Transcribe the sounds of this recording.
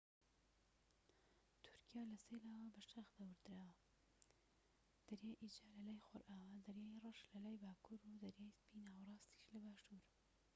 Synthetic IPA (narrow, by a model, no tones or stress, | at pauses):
t̪ʰʊ̥ɾkijaːlɐselaːwɐbɐʃt̪ʰaxd̪awɨɾd̪ɾaːwɐ | d̪̥ɐɾjaːjʔid͡ʒaːlɐlaːjxoɾʔaːwɐd̪ɐɾjaːjirɐʃlɐlaːjbaːkʰuɾud̪ɐɾjaːjspiːnaːwɐrˤɑːst̪i̥ʃlɐbaːʃtuɾ